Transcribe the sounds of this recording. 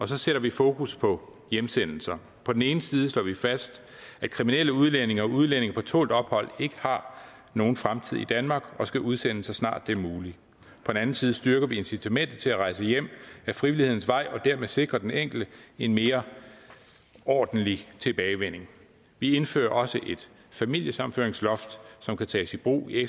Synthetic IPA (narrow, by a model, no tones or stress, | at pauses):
ɒ̽sɒ̽seɾ̥ɐʋifo̝ːkʰuspʰɒ̽ | jemsen̰l̩sɐ | pʰɒ̽d̥ene̝ːnəsiːð̞̩ˠəslɔ̰ːʋifæsd̥ | æ̥kʰʁiminel̰əuð̞ˠlen̰e̝ŋɐɒuð̞ˠlen̰e̝ŋɐpʰɒ̽t͡sʰo̝̰ːld̥ɒ̽b̥hɒ̽l̰e̝ɡ̥ə̥hɑ̈ | no̝ːn̩fʁamt͡sʰiðˠid̥ænmɑ̈ːɡ̥ɒ̽sɡ̥æʔuð̞ˠsen̰əsɑ̈snɑ̰̈ːd̥ːemuːli | pʰɒ̽d̥enæn̩siːð̞̩ˠsd̥yɐɡ̥ɐʋie̝nsit͡sʰæmen̰d̥ð̩ˠt͡sʰe̝læʁɑ̈ɪsəjem̰æfʁiʋilihe̝ð̰ˠn̩sʋɑ̈ɪ̰ɒ̽d̥æɐ̰meðˠse̝ɡ̥ʁɐd̥eneŋ̰ɡ̥l̩d̥əe̝nme̝ːɐ | ɒːd̥n̩lit͡sʰe̝b̥ɛːɪʋen̰e̝ŋ | ʋie̝nfø̰ːɐʔɒ̽səʔe̝d̥ | fæmil̰jəsɑ̈mn̩føɐeŋslɒ̽fd̥sɒ̽mkʰæt͡sʰɛːsib̥ʁṵːieɡ